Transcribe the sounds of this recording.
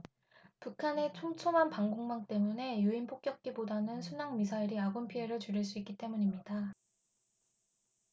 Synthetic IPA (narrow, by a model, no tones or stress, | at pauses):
pukʰane̞t͡ɕʰomt͡ɕʰomɦanpaŋɡoŋmaŋt͈e̞mune̞juinpʰok͈̚jʌk̚k͈ibodanɯnsʰunaŋmisʰaiɾiaɡompʰie̞ɾɯɭt͡ɕuɾiɭs̬͈uik͈it͈e̞muɲimɲida